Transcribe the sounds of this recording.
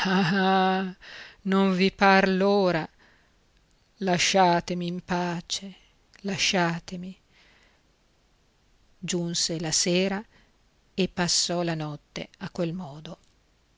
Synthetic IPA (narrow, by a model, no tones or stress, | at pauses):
aa | noɱviparloːɾa | laʃːaːt̪emiːmpaːt͡ʃe | laʃːaːt̪emi | d͡ʒunselaseːɾa | epːasːɔlanɔt̪ːḛakːwelmɔːd̪o